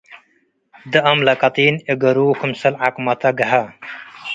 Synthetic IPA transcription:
d̪ɐɐmlɐkɐt̪iːneɡɐɾuːkʰumsɐlakmɐt̪ɐɡɐɦɐ

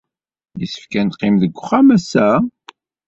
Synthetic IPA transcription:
jisə̥fkænt̪qːimðəɡʷːχæmæsæ

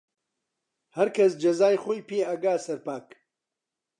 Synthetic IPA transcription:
hɐɾkʰɐs̬d͡ʒɐzaːjxoːjpʰeːɐɡaːsɐɾpaːk

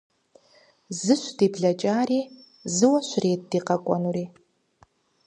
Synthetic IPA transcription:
zɨʃʷdibɮɐt͡ʃʼaːriː | zɨwɐʃʷreːt̚diːqɐkʷʼa̰nuɾiː

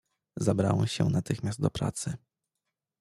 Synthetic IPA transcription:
zabɾa̰wɛmɕɛ̰nat̪ɘxmʲjast̪̚d̪ɔpɾa̰t̪sɘ

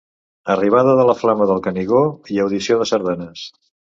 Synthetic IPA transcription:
əriβ̞aðəðələflaməðəlˠkəniɣoiəwðisioðəsəɾðanəs

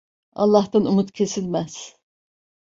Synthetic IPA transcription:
ɑ̰lˠːɑht̪anumut̪cʰe̞silʲmæz̥

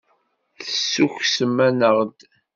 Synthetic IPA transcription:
θəsːuçsəmːænəʁd̪

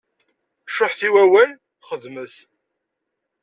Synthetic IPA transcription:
ʃoħθiwæwæl | χəðməθ

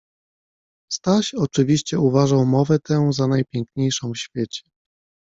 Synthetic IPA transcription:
st̪aɕɔt͡ʂɘvʲiɕt͡ɕɛuvaʐawmɔvɛt̪ɛw̃zanajpʲjɛŋkɲejʂɔ̃w̃ɕfʲjet͡ɕɛ̥

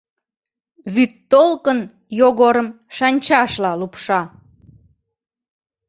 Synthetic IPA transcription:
βyt̪ːolkən | joɣoɾəm | ʃɑnʲt͡ɕɑʃlɑlupʃɑ

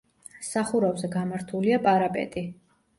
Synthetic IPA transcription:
saχuɾavzɛɡamaɾt̪ʰuliapʼaɾapʼɛ̰t̪ʼi

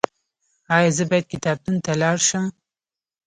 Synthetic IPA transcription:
ɑːjɑzɨbɑjd̪̚kit̪ɑːb̚d̪unt̪alɑːɾʃɨm

